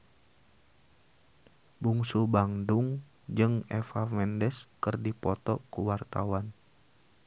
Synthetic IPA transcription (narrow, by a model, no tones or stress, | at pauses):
buŋsubaŋdʊŋ | d͡ʒɨŋɛfamɛndɛskɨrdipɔt̪ɔkuwart̪awan